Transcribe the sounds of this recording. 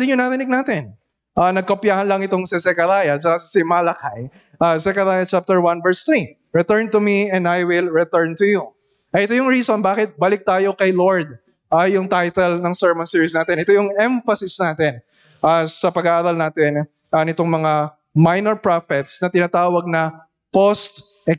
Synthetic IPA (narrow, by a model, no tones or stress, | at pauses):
d̪ɪɲʊnɐɾɪnɪɡ̚naːt̪ɛn | ʔaːnɐɡ̚kopjaːhɐnlɐŋɪt̪o̞ŋsɐsɛkɐɾajɐt͡ʃɐkassɪmaːlɐkaj | ʔaːsɛkɐɾaːjɐt͡ʃap̚t̪ɛɹwanvɛɹst̪ɾi | ɹɛt̪ɛɹnt̪ʊmiɛ̃nd̪ajwɪlɹɛt̪ɛɹnt̪ʊju | ʔɐʔɛt̪ojʊŋɹiːsonbaːkɪt̪̚bɐlɪk̚t̪aːjo̞kɐjloɹd̪̚ | ʔajʊŋt̪ajt̪ɛlnɐŋsɛɹmɐnsiːɹjʊsnaːt̪ɛnʔɛt̪ojʊŋɛɱfɐsɪsnaːt̪ɛn | ʔasɐpɐɡaʔaːɾɐlnaːt̪ɛn | ʔɐnɪt̪oŋmɐŋa | majnɛɹpɹafɛt̪snɐt̪ɪnaːt̪aːwɐɡ̚nɐ | post̪ɛ